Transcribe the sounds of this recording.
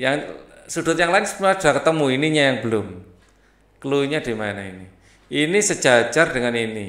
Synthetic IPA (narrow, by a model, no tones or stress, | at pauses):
jaŋsud̪̥ṳt̪̚jaŋlaɪnsu̥maad̥akət̪əmuiniɲajaŋbəlʊm | kəluiɲad̪̥i̤maɛnaini | inisə̥ʒ̥at͡ʃard̥əŋanini